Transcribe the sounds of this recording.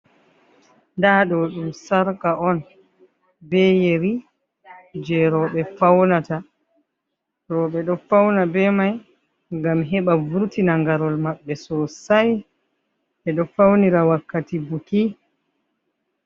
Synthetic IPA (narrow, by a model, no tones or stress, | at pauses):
ndaːɗɔɗumsaɾkaʔɔn | bɛjeɾi | d͡ʒɛɾɔɓɛfawnata | ɾɔɓɛɗɔfawnabɛmaj | ŋɡamɦɛɓavuɾtinaŋɡaɾɔlmaɓːɛsɔsaj | ɓɛɗɔfawniɾawakːatibuki